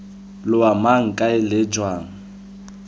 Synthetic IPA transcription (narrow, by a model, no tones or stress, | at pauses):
lʊamaŋ̩kʼaɪlɪd͡ʒwaːŋ̩